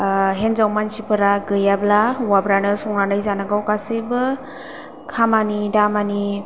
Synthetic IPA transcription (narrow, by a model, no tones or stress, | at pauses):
ɦenzawmansipʰɯɾaɡɯjablawabɾanɯsɔŋnanɯjzanaɡawkasebɯ | kʰamanidamani